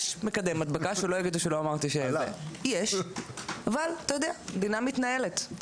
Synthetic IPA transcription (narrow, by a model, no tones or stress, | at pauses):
ʃmekad̪emat̪̚bakaʃulo̞jaɡid̪uʃelo̞amaʁt̪iʃeḛjeʃ | avalat̪ajod̪ead̪inamit̪nae̞let̪